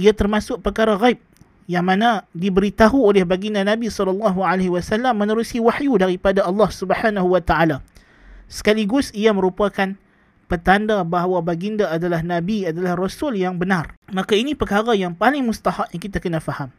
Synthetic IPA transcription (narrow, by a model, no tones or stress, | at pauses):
iat̪ərmasʊk̚pəkaɾaɣajp̚ | jaŋmãnãdibəɾit̪aɦuolɛhbaɡindanabisɔlɔlːɑɦualaɦiwasalːamːə̃nəɾusiwaħjudaɾipadaɑlːɑhsubəħanaɦuwat̪aʔala | sə̥kaliɡʊsiamə̃ɾupakan | pət̪andabaɦawabaɡindaːdalahnãbiadalahrɔsʊljaŋbənarmakainĩpəkaɾajaŋpalɪŋmust̪ahaʔjaŋkit̪akənãfaham